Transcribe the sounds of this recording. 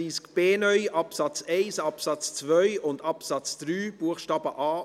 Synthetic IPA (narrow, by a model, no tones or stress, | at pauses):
iːskb̥eːnœʏʔɑpsɑt͡sɛɪsɑpsɑt͡st͡svœʏʊndɑpsɑt͡sd̪̥ɾyːb̥uəχʃtɑːb̥əʔɑː